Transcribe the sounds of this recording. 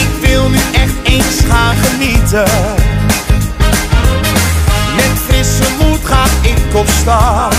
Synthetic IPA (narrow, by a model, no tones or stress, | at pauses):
ɪkʋɪlˠnyʔɛχtejnsχaːχənitə | mɛnfɪsəmutχaːχɪkkɔpsta